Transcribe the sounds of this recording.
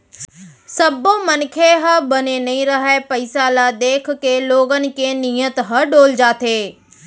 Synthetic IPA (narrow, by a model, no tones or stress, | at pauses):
sɐbõmɐnkʰeɦɐbɐnenɐĩɾɐɦaepɐɪsalaːd̪eːkʰkeloːɡənɪ̆keːniːət̪ɦɐɖoːld͡ʑaːt̪ʰeː